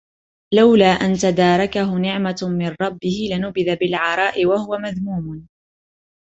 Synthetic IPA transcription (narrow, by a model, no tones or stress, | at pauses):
lawlaːʔant̪ad̪aːɾˤɑkaɦʊnɪʕmamɪnɾˤɑbːɪhɪlɪnʊbɪðabɪlʕɑɾˤɑːʔɪwahʊwamaðmuːmʊ